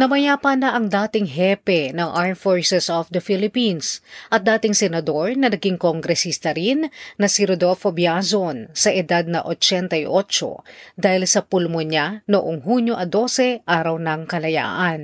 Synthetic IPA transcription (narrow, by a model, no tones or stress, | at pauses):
nɐmɐjaːpɐnɐʔɐŋd̪aːt̪ɪŋɦɛpɛnɐŋʔaɹmfoɹsɛsofd̪ɐfilɪpinsʔɐt̪̚d̪aːt̪ɪŋsɛnɐd̪o̞ɹnɐnɐɡiŋkoŋɡɾɛsist̪ɐɾinnɐsiɾod̪olfobjasonsɐʔɛd̪ad̪̚nɐʔot͡ʃɛnt̪ɐjʔot͡ʃo̰d̪aːhɪlsɐpulmoɲanoʔoŋɦuɲjoʔɐd̪o̞sɛʔaːɾɐwnɐŋkɐlɐja̰ːʔɐn